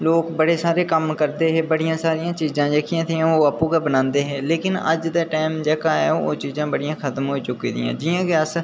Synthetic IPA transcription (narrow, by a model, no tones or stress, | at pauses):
loːkbəɽeːsaːɾeːkəmkəɾd̪eːɦɛːbəɽɪjãːsaːɾɪjãːt͡ʃiːzãːd͡ʒeːkʰɪãːt̪ʰeːãoːapũːɡaːbənãːnd̪eːɦɛːleːkɪnə̰d͡ʒd̪aːʈaːɪmd͡ʒɛːkaːɦɛ̰ːo̰ːt͡ʃiːzãːbəɽɪjãːkʰət̪əmɦoːiːt͡ʃʊkḭːd̪ɪ̰jã̰ːd͡ʒɪjãːkeəs